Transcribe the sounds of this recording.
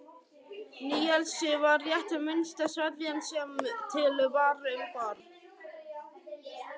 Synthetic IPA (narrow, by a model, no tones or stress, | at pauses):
niːɛlsɪvaɾjɛht̪amɪnst̪asvɛt̪vjansɛmʏt̪ʰɪlʏvaːrʏʏmkɔɾ